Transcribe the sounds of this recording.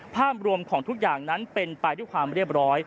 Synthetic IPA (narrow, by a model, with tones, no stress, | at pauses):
pʰaː˥˩p̚ɾu˧əmkʰɔː˩˦ŋt̪ʰu˦˥k̚jaː˨˩ŋna˦˥npe˧npa˧jdu˥˩jkʰwaː˧mɾi˥˩əp̚ɾɔː˦˥j